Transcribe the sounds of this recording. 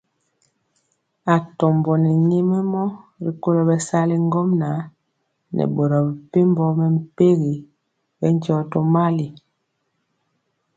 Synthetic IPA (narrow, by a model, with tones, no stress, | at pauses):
a˨tɔ˨mbɔ˨nɛ˨ɲe˦mɛ˦mɔ˦ɾi˨ko˦ɾɔ˨bɛ˨sa˦li˦ŋ˦ɡɔ˦mna˨˦ | nʔɛ̰˨bo˨ɾɔ˨bɛ˨pe˦mbɔ˦mɛ˨m̩˦pe˦ɣi˨ | bɛ˦n˦d͡ʒɔ˨˦to˦ma˦li˨